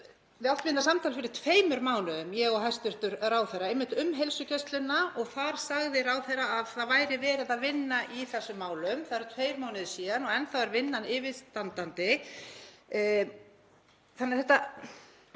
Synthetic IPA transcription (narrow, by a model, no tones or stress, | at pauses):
vɪawht̪vɪnːasamt̪ʰawlɪfɪɾɪ̥t̪ʰveːjmʏɾmaːwnʏðʏmjɛɣɔɦajst̪ʏɾ̥t̪ʏɾraːwθɛjɾaejmɪht̪ʏmɦejlsʏcɛst̪lɪnːaʔɔɣθaɾ̥saɣðɪɾaːwθɛɾaːðθaðvaːjɾɪvɛːɾaðaðvɪnːaʔiθɛsːʏmːaːwlʏmθaðɛɾʏt̪ʰveːjɾmaːwnɪðʏsiːðanɔɛnθawɛɾvɪnːanɪvɪðst̪ant̪ant̪ɪ | θanːɪɾθɛht̪a